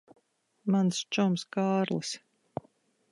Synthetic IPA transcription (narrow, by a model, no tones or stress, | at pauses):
manst͡ʃumskaːɾlˠɨs